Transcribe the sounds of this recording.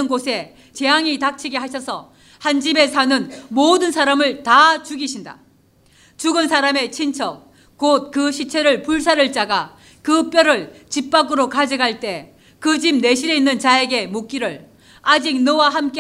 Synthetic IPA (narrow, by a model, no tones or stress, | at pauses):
ɯnɡosʰe̞ | t͡ɕe̞jaŋitak̚t͡ɕʰiɡeɦaɕʰʌsʰʌ | hand͡ʑibe̞sʰanɯnmodɯnsʰaɾamɯɭtat͡ɕuɡiɕʰinda̰ | t͡ɕuɡɯnsʰaɾame̞t͡ɕʰint͡ɕʰʌk̚ | k͈ot̚kɯɕʰit͡ɕʰe̞ɾɯɭpuɭs̬ʰaɾɯɭt͡ɕ͈aɡa | kɯp͈jʌɾɯɭt͡ɕip͈aɡɯɾokad͡ʑiɡaɭt͈e̞ | kɯd͡ʑimne̞ɕʰiɾe̞inːɯnt͡ɕae̞ɡe̞mok͈iɾɯɭ | ad͡ʑik̚nʌwaɦamk͈e